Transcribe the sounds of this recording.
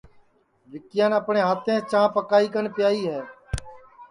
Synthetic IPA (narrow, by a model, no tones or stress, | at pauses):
ʋɪkɪjãːnəpɳẽːɦaːt̪ʰẽːt͡ʃãːpəkaːiːkənpɪjaːiːɦɛː